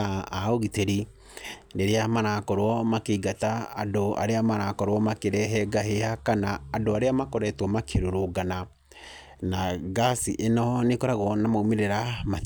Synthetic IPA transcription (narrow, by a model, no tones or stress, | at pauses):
aaoɣiteɾi | ɾeɾeamaɾakɔɾwɔmakeiɡataadoa̰ɾeamaɾakɔɾwɔmakeɾɛɦɛɡahehakanaːdoaɾeamakoɾɛtwɔmakʰeɾoɾoɡana | naɡasiʔenɔnekɔɾaɣɔnamaumeɾeɾama